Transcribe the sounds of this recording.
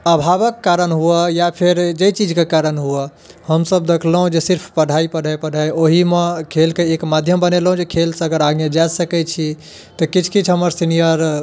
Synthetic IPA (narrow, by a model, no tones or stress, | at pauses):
əbʱabəkːaɾənɦuəjapʰeɾd͡ʒəjt͡ʃid͡ʒkekaɾənɦuə | həmsəbd̪ekʰləɦũd͡ʒesiɾpʰpəɽ̤ʱaipəɽ̤ʱajpəɽ̤ʱajoɦimekʰelkeekmad̪ʱjəmbəneləɦũd͡ʒekʰelsə̃əɡəɾaɡjə̃d͡ʒasəkɛt͡ʃʰi | t̪ɔkit͡ʃʰkit͡ʃʰɦəməɾsinijəɾ